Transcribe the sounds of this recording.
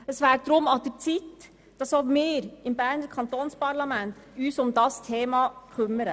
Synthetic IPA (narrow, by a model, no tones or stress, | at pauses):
d̪ɛsʋæːʈ̚d̪ɾʊmːɑt̪̚d̪ʉt̪ɪt̪ː | d̪̥ɑsoːɡmeːɾɪmbæːnəɾkʰɑnt̪onspɑɾlɑmɛnt̪ | ʉːtsɔmd̪ɑst̪ʰeːmɑkʰʉmːəɾə